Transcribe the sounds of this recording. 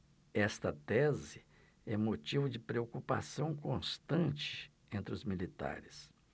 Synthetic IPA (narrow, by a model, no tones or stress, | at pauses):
ɛst̪ɐt̪ɛzɪ | ɛmot͡ʃivʊd͡ʒɪpɾeokupa̰sɐ̃w̃kõst̪ɐ̃t͡ʃɪ̥ | ẽnt̪ɾɪʊzmilit̪a̰ɾɪs